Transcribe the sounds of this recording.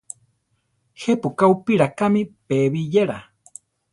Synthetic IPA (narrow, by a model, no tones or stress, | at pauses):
hepukaupiɾakamĩpeβijeɾa